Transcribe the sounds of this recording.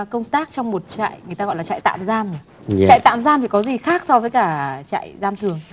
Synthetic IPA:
kə˧wŋ͡mt̪aː˦˥k̚t͡ɕɔ˧wŋ͡mmo˨˩t̚t͡ɕa̰ː˧˨jŋɨ˨˩ət̪aː˧ɣɔ̰˧˨la˨˩t͡ɕa̰ː˧˨jt̪a̰ː˧˨mzaː˧m˩ | t͡ɕa̰ː˧˨jt̪a̰ː˧˨mzaː˧mt̪ʰi˨˩kɔ˨˦zi˨˩xaː˦˥k̚sɔ˧vəː˨˦jkaː˧˩t͡ɕa̰ː˧˨jzaː˧mt̪ʰɨ˨˩əŋ

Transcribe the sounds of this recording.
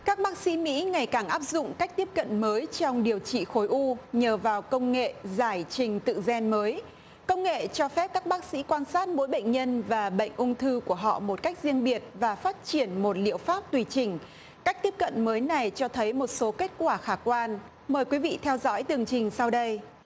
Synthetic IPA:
kaː˦˥k̚ɓaː˦˥k̚sḭ˧˥mḭ˧˥ŋa˨˩jkaː˧˩ŋʔaː˦˥p̚zʊ̰˧˨ŋ͡mka˦˥k̟̚t̪i˦˥əp̚kə̰˧˨nməː˨˦jt͡ɕɔ˧wŋ͡mɗi˨˩əwt͡ɕḭ˧˨xo˨˦jʔu˧ɲəː˨˩vaː˨˩wkə˧wŋ͡mŋḛ˧˨zaː˧˩jt͡ɕï˨˩ŋ̟t̪ɨ̰˧˨zɛ˧nməː˨˦j | kə˧wŋ͡mŋḛ˧˨t͡ɕɔ˧fɛ˦˥p̚kaː˦˥k̚ɓaː˦˥k̚sḭ˧˥kwaː˧nsaː˦˥t̚mo̰˧˥jɓə̰˧˨jŋ̟ɲə˧nvaː˨˩ɓə̰˧˨jŋ̟ʔʊ˧ŋ͡mt̪ʰɨ˧ku˧˩əɦɔ̰˧˨mo˨˩t̚ka˦˥k̟̚zi˧əŋɓi˨˩ət̚vaː˨˩faː˦˥t̚t͡ɕi˧˩ənmo˨˩t̚lḭ˧˨əwfaː˦˥p̚t̪wi˨˩t͡ɕï˨˩ŋ̟ | kaː˦˥k̟̚t̪i˦˥əp̚kə̰˧˨nməː˨˦jna˨˩jt͡ɕɔ˧t̪ʰə˨˦jmo˨˩t̚so˨˦ke˦˥t̚kwaː˧˩xaː˧˩kwaː˧n | məː˨˩jkwi˨˦vḭ˧˨t̪ʰɛ˧wzɔ̰˧˥jt̪ɨ˨˩əŋt͡ɕï˨˩ŋ̟sa˧wɗə˧j

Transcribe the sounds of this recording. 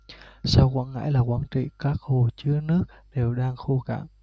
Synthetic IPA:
sa˧wkwa̰ː˧˥˩nŋa̰ː˧˥jlaː˨˩kwaː˧˩nt͡ɕḭ˧˨kaː˦˥k̚ho˨˩t͡ɕɨ˨˦ənɨ˦˥ək̚ | ɗe˨˩wɗaː˧ŋxu˧ka̰ː˧˩m

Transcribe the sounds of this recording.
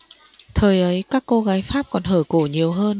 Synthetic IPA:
t̪ʰəː˨˩jʔə˨˦jkaː˦˥kːo˧ɣaː˨˦jfaː˦˥p̚kɔ˨˩nɦəː˧˩ko˧˩ɲi˨˩əwɦəː˧n

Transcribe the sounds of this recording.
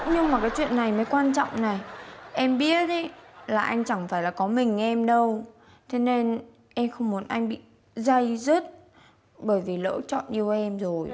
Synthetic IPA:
ɲɨ˧ŋ͡mmaː˨˩kaː˨˦jt͡ɕwḭ˧˨ənːa˨˩jməː˨˦jkwaː˧nt͡ɕɔ̰˧˨wŋ͡mna˨˩jʔɛ˧mɓi˦˥ət̚ʔi˨˦laː˨˩ʔa˧jŋ̟t͡ɕa˧˩ŋfaː˧˩jlaː˨˩kɔ˨˦mï˨˩ŋ̟ʔɛ˧mɗə˧w | t̪ʰe˨˦ne˧n | ʔɛ˧mxə˧wŋ͡mmu˨˦ənʔa˧jŋ̟ɓḭ˧˨ | za˧jzə˦˥t̚ | ɓəː˧˩jvi˨˩lə̰ː˧˥t͡ɕɔ̰˧˨nɲi˧˩əwʔɛ˧mzo˨˩j

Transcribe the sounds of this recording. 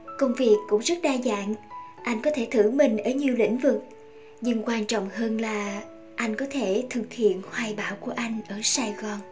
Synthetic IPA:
kə˧wŋ͡mvi˨˩əkːʊ̰˧˥ŋ͡mzə˦˥t̚ɗaː˧za̰ː˧˨nʔa˧jŋ̟kɔ˨˦t̪ʰe˧˩t̪ʰɨ˧˩mï˨˩ŋ̟ʔəː˧˩ɲi˨˩əwlḭ̈˧˥ŋ̟vɨ˨˩k̚ | ɲɨ˧ŋkwaː˧nt͡ɕɔ̰˧˨wŋ͡mɦəː˧nlaː˨˩ | ʔa˧jŋ̟kɔ˨˦t̪ʰe˧˩t̪ʰɨ˨˩k̚hḭ˧˨ənhwaː˨˩jɓaː˧˩wku˧˩əʔa˧jŋ̟ʔəː˧˩saː˧ɣɔ˨˩n

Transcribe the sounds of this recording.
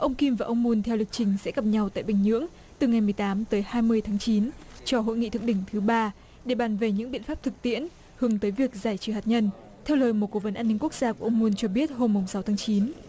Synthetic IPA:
ʔə˧wŋ͡mki˧mvaː˨˩ʔə˧wŋ͡mmu˧nt̪ʰɛ˧wli˨˩k̚t͡ɕï˨˩ŋ̟sɛ̰˧˥ɣə˨˩p̚ɲa˧wt̪a̰ː˧˨jɓï˨˩ŋ̟ɲɨ̰˧˥əŋ | t̪ɨ˨˩ŋa˨˩jmɨ˨˩əjt̪aː˨˦mt̪əː˨˦jhaː˧jmɨ˧əjt̪ʰaː˨˦ŋt͡ɕi˨˦nt͡ɕɔ˧ɦo̰˧˨jŋḭ˧˨t̪ɨ̰˧˨əʔɗï˧˩ŋ̟t̪ʰɨ˨˦ɓaː˧ | ɗe˧˩ɓaː˨˩nve˨˩ɲɨ̰˧˥ŋɓḭ˧˨ənfaː˦˥p̚t̪ʰɨ˨˩k̚t̪ḭ˧˥ən | hɨ˨˦əŋt̪əː˨˦jvi˨˩ək̚zaː˧˩jt͡ɕɨ˨˧˩haː˨˩t̚ɲə˧n | t̪ʰɛ˧wləː˨˩jmo˨˩t̚ko˧˩və˨˦nʔaː˧nːi˧ŋ̟ku˦˥ək̚z̥aː˧ku˧˩ʔə˧wŋ͡mmu˧nt͡ɕɔ˧ɓi˦˥ət̚ho˧mːʊ˨˩ŋ͡msa˨˦wt̪ʰːŋt͡ɕi˨˦n

